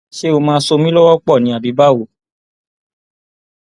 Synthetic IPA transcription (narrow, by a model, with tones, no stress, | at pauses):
ʃe˦o˧mãː˦˧˦so˧mĩ˦lɔ˦wɔ˦k͡pɔ˦˨nĩ˨˦a˨bi˨˦ba˦˨wo˨˦